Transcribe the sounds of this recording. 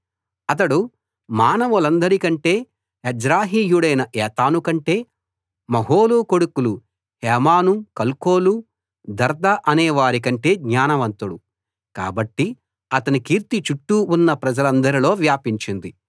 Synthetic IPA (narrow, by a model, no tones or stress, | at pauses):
ɐt̪ɐɽu | maːnɐʋulɐnd̪ɐɾikɐɳʈe̞ː | ed͡ʒɾaːɦiːjuɽɐjnɐʔɛːt̪aːnukɐɳʈe̞ː | mɐɦoːluko̞ɽukulu | hɛːmaːnukɐlko̞ːlu | d̪ɐɾd̪ɐʔɐnɛːʋaːɾikɐɳʈe̞ːɡɲaːnɐʋɐnt̪uɽu | ka̰ːbɐʈːi | ɐt̪ɐnikiːɾt̪it͡ʃuʈːuːnːɐpɾɐd͡ʒɐlɐnd̪ɐɾilo̞ːʋjaːpiɲt͡ʃind̪i